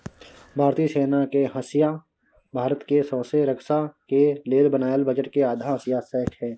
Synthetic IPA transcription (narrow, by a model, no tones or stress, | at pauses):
bʱaːɾt̪iːseːnakeɦɐsɪja | bʱaːɾət̪kesɔ̃ːseɾəksakeleːlbənaːjəlbəd͡ʒəʈkeaːd̪ʱaɦəsɪjasɛɦkɦɛ̃ː